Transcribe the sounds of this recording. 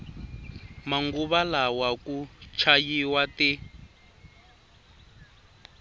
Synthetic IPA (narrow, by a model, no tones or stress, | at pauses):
maŋɡuβalawakut͡ʃʰajiwati